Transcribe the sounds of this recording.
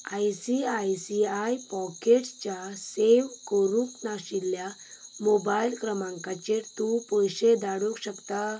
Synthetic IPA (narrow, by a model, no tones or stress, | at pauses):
ajsiajsiajpɔkeʈt͡ɕaseʋkəɾũknaɕilja | mobajlkɾəmãŋkat͡ɕeʈt̪upəjɕed̪aɽukɕəkt̪a